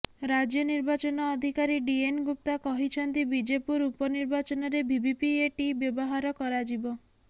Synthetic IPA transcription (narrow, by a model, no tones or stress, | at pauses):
ɾad͡ʒjɔniɾbat͡ʃɔnɔːd̪ʱikaɾiɖienɡup̚t̪akɔɦit͡ʃʰɔnt̪ibid͡ʒepuɾupɔniɾbat͡ʃɔnɔɾebʱibipieʈibjɔbɔɦaɾɔkɔɾad͡ʒibɔ